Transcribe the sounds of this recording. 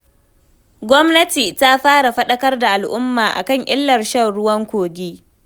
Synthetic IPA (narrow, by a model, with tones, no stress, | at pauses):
ɡʷɔ˦mnɐ˦tiː˨ta˦ɸaː˦ɽa˨ɸɐ˦ɗɐ˦kɐ˦rda˨ʔa˨lʔʊ˦mːaː˨ʔa̰˨kɐ˦˨ŋʔɪ˦lːɐ˨rʃɐ˦˨nɽʊ˦wɐ˦ŋkʷoː˨ɡʲiː˦